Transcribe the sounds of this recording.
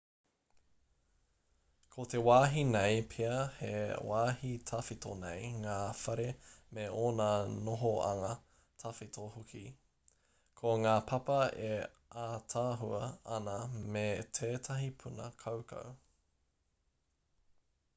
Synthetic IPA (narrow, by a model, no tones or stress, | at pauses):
kʰotewaːɦinejpʰeɐhḛwaːhitʰɐfitʰo̰nḛjŋaːfɐɾemeoːnɐnoɦoɐ̰ŋɐ | tʰɐfitʰohukʰi | kʰoŋaːpʰɐpɐe | ʔatʰaːɦuɐɐnɐmetʰeːtʰɐɦipʰunɐ̰kʰɐwkʰɐ̰w